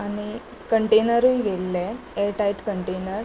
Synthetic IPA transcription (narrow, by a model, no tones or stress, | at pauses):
aɽ̃i | kəɳʈenəɾujɡelːe | eʈajʈkəɳʈenəɾ